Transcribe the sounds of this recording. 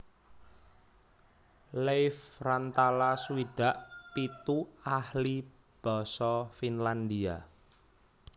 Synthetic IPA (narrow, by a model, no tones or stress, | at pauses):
lejfrant̪alasuwiɖ̥ä̤ʔpit̪uahli | b̥ɔ̤sɔfinland̪ia